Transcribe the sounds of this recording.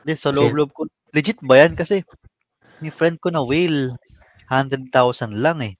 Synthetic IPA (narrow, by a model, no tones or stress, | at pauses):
d̪ɛsɐloʔbloʔob̚ko | lɪd͡ʒɪt̪̚bɐjankɐsɛ | mɪfɾɛnd̪̚konɐwil | hand̪ɾɛd̪̚t̪awsɐnlaŋɛ